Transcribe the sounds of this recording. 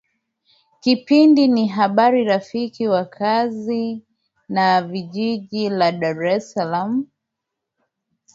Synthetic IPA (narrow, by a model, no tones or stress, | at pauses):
kipindiniɦaɓaɾiɾafikiwakʰazi | naviʄiʄilaɗaɾɛsalamu